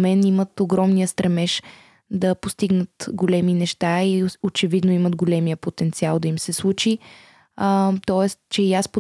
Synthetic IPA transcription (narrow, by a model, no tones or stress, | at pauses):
mɛnimət̪oɡɾɔmniəst̪ɾɛmɛʃ | d̪ɐpost̪iɡnət̪ɡolɛminɛʃt̪aiot͡ʃɛvid̪noimət̪ɡolɛmijəpot̪ɛnt̪sialˠd̪ɐimsɛslˠut͡ʃi | t̪ɔɛst̪t͡ʃɛiaspo